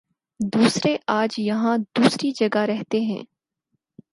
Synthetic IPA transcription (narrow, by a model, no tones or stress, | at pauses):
d̪uːsɾeʔaːd͡ʒjɐɦãd̪uːsɾid͡ʒɐɡaɾɛɦt̪eɦɛ̰̃ː